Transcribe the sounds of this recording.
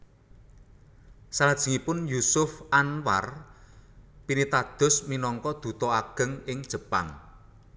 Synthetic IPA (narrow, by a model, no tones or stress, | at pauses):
salad̥ʒ̥i̤ŋipʊnjusʊfʔanwa̰r | pinit̪ad̪̥ʊ̤sminɔŋkɔd̪̥ṳt̪ɔaɡ̥ə̤ŋɪŋd̥ʒ̥ə̤pa̰ŋ